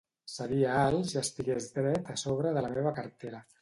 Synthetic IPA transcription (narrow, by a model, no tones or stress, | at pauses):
səɾiəalˠzast̪iɣezd̪ɾɛt̪əsoβ̞ɾəðələmeβəkəɾt̪eɾə